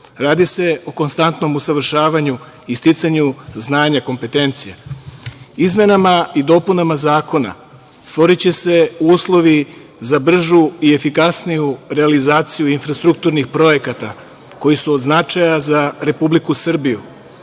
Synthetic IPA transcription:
ɾaːd̪ise̞o̞ko̞nst̪ant̪no̞musaʋr̩ʃaːʋaɲu | ist̪it̪saɲuznaːɲako̞mpe̞t̪e̞nt̪sijḛ | izme̞namaid̪o̞punamazaːko̞na̰ | st̪ʋo̞ɾit͡ɕe̞se̞uːslˠo̞ʋi | zabr̩ʒuie̞fikasnijuɾealizaːt̪sijuinfɾast̪ɾuk̚t̪uɾnixpɾo̞je̞kat̪a | ko̞jisuo̞d̪znat͡ʃajazaɾe̞publikusr̩biju

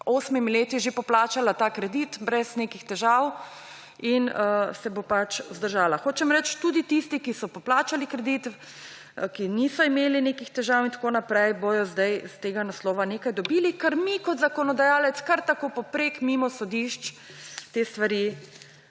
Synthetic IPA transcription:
oːsmimleːt̪iʒepɔplaːt͡ʃalat̪aːkɾɛd̪it̪bɾɛznekixt̪ɛʒaw | insɛbopat͡ʃzd̪əɾʒaːlaxoːt͡ʃɛmɾɛt͡ʃt̪ud̪it̪ist̪ikisɔpɔplaːt͡ʃalikɾɛd̪it̪ | kinisɔimeːlineːkixt̪ɛʒaːwint̪ḁkoːnapɾɛjbojɔzd̪ajst̪eːɡanaslɔːʋaneːkajd̪ɔbilikɛɾmikɔt̪zakɔnɔd̪ajaːlɛt̪skaɾt̪akoːpɔpɾeːkmimɔsɔd̪iʃt͡ʃ | t̪est̪ʋaɾi

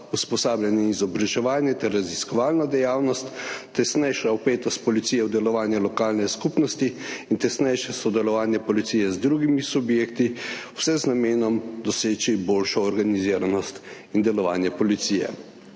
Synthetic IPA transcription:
uspɔsaːbljɛnɛizɔbɾaʒɛʋaːnjɛt̪ɛɾːaziskɔʋaːlnad̪ɛjaːwnɔst̪ːɛsnɛjʃaɔpeːt̪ɔst̪̚pɔlit̪sijɛwd̪ɛlɔʋaːnjɛlɔkaːlnɛskupnɔst̪iint̪ɛsnɛjʃɛsɔd̪ɛlɔʋaːnjɛpɔlit̪sijɛzd̪ɾuːɡimisubjeːkt̪iwsɛznameːnɔmd̪ɔseːt͡ʃiboːlʃɔːɾɡaniziːɾanɔst̪ind̪ɛlɔʋa̰ːnjɛpɔlit̪sijɛ̰

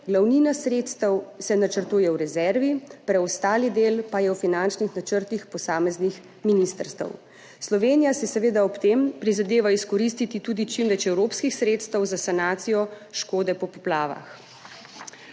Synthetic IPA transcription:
ɡlawniːnasɾeːt̪st̪əwsɛnat͡ʃəɾt̪uːjɛwɾɛzɛɾʋipɾɛɔst̪aːlid̪eːlpajɛwfinant͡ʃnixnat͡ʃəɾt̪ixpɔsaːmɛznix | minist̪əɾst̪ə̰w | slɔʋeːnijasɛsɛʋeːd̪aɔpt̪empɾizad̪eːʋaiskɔɾist̪it̪it̪uːd̪it͡ʃimʋɛt͡ʃɛwɾopskixsɾeːt̪st̪əwzasanaːt̪sijɔ | ʃkoːd̪ɛpɔpɔplaːʋa̰x

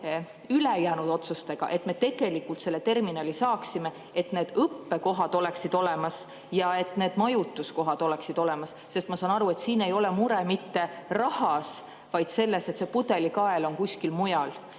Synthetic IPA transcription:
ylejæːnud̪̥o̞t̪sust̪e̞ɡ̥ɑ̰ʔe̞t̪me̞t̪e̞ɡ̥e̞likːult̪se̞lːe̞t̪e̞rminɑlisɑːksime̞ | et̪ne̞ːd̪̥ɤpːeko̞ɦɑd̪̥o̞le̞ksid̪̥o̞le̞mɑs | jɑe̞t̪ne̞ːd̪̥mɑjut̪ːˑusko̞ɦɑd̪̥o̞leksid̪̥o̞lɛmɑsːe̞st̪mɑsɑːnɑɾue̞t̪siːne̞jo̞lɛmuɾemit̪ːe̞rɑhɑs | vɑjd̪̥se̞lːe̞se̞t̪se̞pud̪e̞likɑe̞lo̞nkusʲkilmujɑl

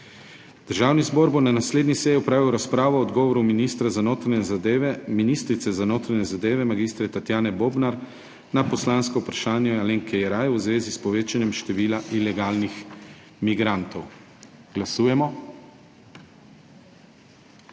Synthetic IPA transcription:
d̪̥əɾʒaːwnizboːɾbonanasleːd̪nisɛjiɔpɾaːʋiwɾaspɾaːʋɔɔd̪ɡɔːʋɔɾuminiːst̪ɾazanoːt̪ɾanɛzad̪eʋɛminist̪ɾit̪sɛzanoːt̪ɾaɲɛzad̪eːʋɛmaɡist̪ɾɛt̪at̪jaːnɛboːbnaɾ | napɔslanskɔwpɾaʃaːnjɛaleŋkʰɛjɛɾaːjwzʋeːzispɔʋeːt͡ʃanjɛmʃt̪ɛʋiːlaʔilɛɡaːlnix | miɡɾant̪ɔw | ɡ̥lasuːjɛmɔ

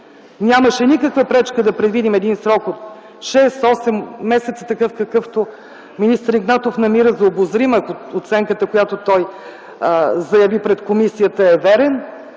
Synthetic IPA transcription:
nʲjaməʃɛnikəkvəpɾɛt͡ʃkəd̪ɐpɾɛd̪vid̪imɛd̪insɾɔkot̪ | ʃɛsɔsɛmːɛsɛt̪sə̥t̪ɐkɤfkɐkɤft̪o | minist̪əɾiɡnat̪ofnɐmiɾəzɐobozɾiməːkoot̪sɛŋkət̪əkojat̪ot̪ɔj | zɐjɐvipɾɛt̪komisijət̪əɛvɛɾɛn

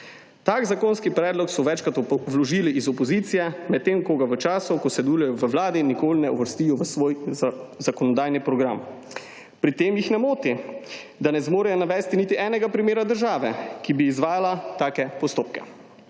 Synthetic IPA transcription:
t̪aːkzakoːnskipɾɛːd̪lɔksɔʋɛt͡ʃkat̪ʋlɔʒiːliːzɔpɔziːt̪sijɛmɛt̪ːemkoːɡaʋət͡ʃaːsɔkɔsɛd̪ulɛjɔʋəʋlaːd̪inikoːlnɛṵʋəɾst̪ijɔʋəsʋoːjzakɔnɔd̪aːjnipɾɔɡɾam | pɾit̪eːmjixnɛmoːt̪i | d̪anɛzmoːɾɛjɔnaʋɛːst̪init̪iʔɛːnɛɡapɾimeːɾad̪əɾʒaːʋɛkibiːzʋaːjalat̪aːkɛpɔst̪oːpkɛ̥̰

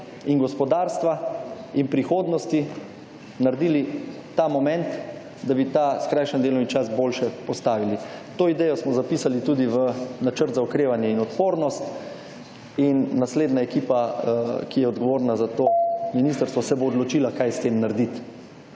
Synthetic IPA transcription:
inɡɔspɔd̪aːɾst̪ʋainpɾixoːd̪nɔst̪i | naɾd̪iːli | t̪amɔmɛ̃nt̪ | d̪abit̪aːskɾajʃɛnd̪eːlɔmit͡ʃasboːlʃɛpɔst̪aːʋilit̪oːid̪ɛjɔsmɔzapiːsalit̪uːd̪iʋənat͡ʃəɾt̪zaukɾeːʋanjɛinɔt̪poːɾnɔst̪ | inːasleːd̪naɛkiːpakijɛɔd̪ɡɔʋoːɾnazat̪oːminist̪əɾst̪ʋɔsɛboːd̪lɔt͡ʃiːlakajst̪emnaɾd̪it̪

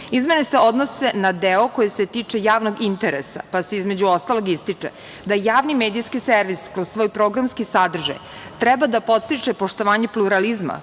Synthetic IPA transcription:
izmenese̞o̞d̪nose̞nad̪eoko̞jese̞t̪it͡ʂe̞jaːʋno̞ɡint̪eɾḛsa̰paseizme̞d͡ʑuo̞st̪alˠo̞ɡist̪it͡ʂḛ | d̪ajaːʋnimeːd̪ijskiseɾʋiskɾozsʋo̞ːjpɾoɡɾamskisad̪r̩ʒa̰j | t̪ɾɛbad̪apo̞t̪st̪it͡ʂepo̞ʂt̪o̞ʋaːɲe̞plˠuɾalizma̰

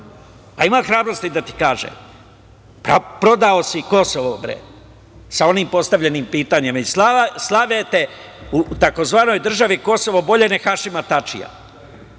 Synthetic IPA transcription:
paimaːt̪xɾaːbɾo̞st̪id̪at̪i̥kaːʒḛ | papɾo̞d̪aosiko̞soʋobɾḛ | sao̞niːmpo̞st̪aʋʎe̞nimpiːt̪aɲemaisaslˠaʋet̪e | ut̪ako̞zʋaːno̞jd̪r̩ʒaʋiko̞soʋobo̞ʎenexaʃimat̪at͡ʃḭja̰

